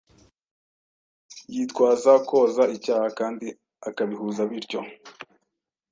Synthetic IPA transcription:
jitkwaːzakʰo̞ːzaicaːhakaːndi | akaβihuːzaβiɾco̞

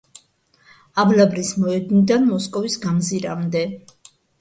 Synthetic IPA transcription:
ablabɾismɔɛd̪nid̪anmɔskʼɔvisɡamziɾamd̪ɛ

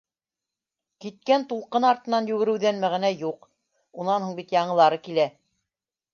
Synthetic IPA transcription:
kit̪̚kænt̪ulˠqɤnɑɾt̪ɤ̆nɑnjʉɡɘ̆ɾɘ̆wðænmæʁænæjuq | unɑnhuɴbit̪jɑɴɤ̆lˠɑɾɤkilæ

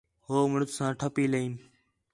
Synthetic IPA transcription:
ɦoːməɳʊt̪sãːʈʰəpiːləiːn

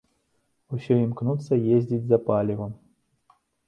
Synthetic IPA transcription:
usʲɔimknut̪sːɐjezʲdʲit͡sʲzɐpalʲɪɣʊ

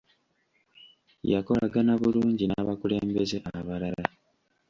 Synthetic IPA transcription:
jako̞laɡanaβuluːɲɟinaβakule̞ːmbe̞ze̞ʔaβalala

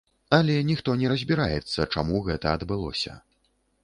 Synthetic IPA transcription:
ɐlʲɛnʲixt̪ɔnʲɛɾɐzʲbʲiɾajɛt̪sːɐt͡ʂamuɣɛt̪ɐɐd̪bɨlˠɔ̰sʲɐ̰

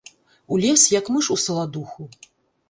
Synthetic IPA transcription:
ulʲɛsjɐkmɨʂusɐlˠad̪uxu

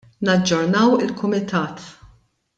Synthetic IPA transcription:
nɐd͡ʒːɔɾnɐwɪlkʊmɪt̪ʰɐːt̪

